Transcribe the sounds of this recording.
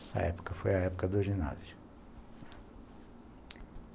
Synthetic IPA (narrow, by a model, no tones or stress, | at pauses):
ɛsɐ̰ɛ̰pu̥kɐfojɐɛpukɐd̪oʒina̰zi